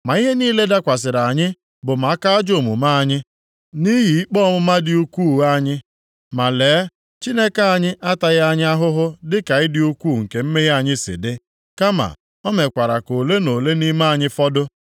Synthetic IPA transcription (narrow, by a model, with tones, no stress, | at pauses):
ma˨i˦ɦe˦niː˦le˦da˦kʷa˨s̬ɪ˨ɾa˨ɲɪ˦ | bʊ˨ma˨a˦ka˦a˦d͡ʒo˦˨mṵ˨ma˦a˨ɲɪ˦ | ni˦ɦi˨i˦k͡pɔ˦mʊ˦ma˦dɪ˦u˦kʷu˦˨a˦˨ɲɪ˦ | ma˨leː˨˦ | t͡ʃi˦ne˦ka˦˨a˨ɲɪ˦ʔa˦ta˨ɣa˦ɲɪ˦a˦ɦʊ˦ɦʊ˦dɪ˦ka˨ɪ˦dɪ˦u˦kʷu˦˨ŋ̩˨ke˨m̩˦me˦ɦi˦a˨ɲɪ˦sɪ̰˨dɪ˦ | ka˦ma̰˨ | ɔ˦me˨kʷa˨ɾa˨ko˨le˦no˨le˦ni˦ma˦a˨ɲɪ˦fɔ˦dʊ˦